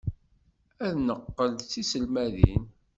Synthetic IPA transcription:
æðnəqːəlθisəlmæðḭn

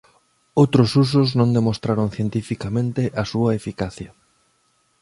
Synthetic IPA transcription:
owt̪ɾʊsus̬ʊznõnd̪emost̪ɾaɾonθjent̪ifikamẽnt̪ɪʔɐsuɐefikaθjɐ

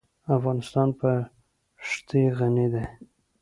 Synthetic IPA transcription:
afɣɑnɪst̪ɑnpə | ʂt̪ʰeɣaned̪e

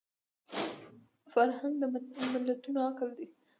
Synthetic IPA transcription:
faɾhand̪d̪əmamɪlːat̪unoakld̪i

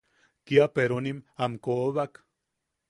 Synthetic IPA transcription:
kiapeɾonimamkoβak

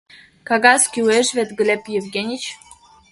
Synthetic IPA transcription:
kaɡaskʲiweʒvet̪ɡlʲepjevɡʲenʲit͡ɕ

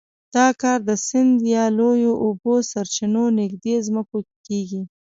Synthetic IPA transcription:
d̪̥ɑkɑɾd̪əsɪnd̪jɑlojoʔobosaɾt͡ʃinonɪɡ̚d̪ezməko | keɡi

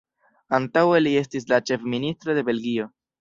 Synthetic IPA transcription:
antawe̞lie̞stis̬lat͡ʃe̞fministɾo̞de̞be̞lɡio̞

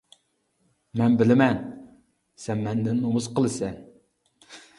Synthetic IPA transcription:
mɛnbɪlɪmɛn | sɛmmɛnd̪ɪnːomʊsqəlˠɨsɛn

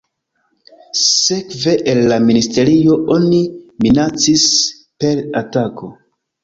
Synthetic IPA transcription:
se̞kve̞ʔelːaministe̞ɾio̞ʔo̞niminat͡sis | pe̞ɾatako̞

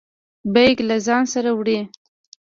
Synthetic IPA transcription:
bajɡlazɑnsaɾawɽe

